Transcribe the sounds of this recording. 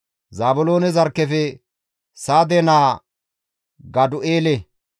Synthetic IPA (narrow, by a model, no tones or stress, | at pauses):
zaːbʊloːnɛzɐɾkːɛfɛ | saːd̪ɛnaː | ɡɐd̪ʊʔeːlɛ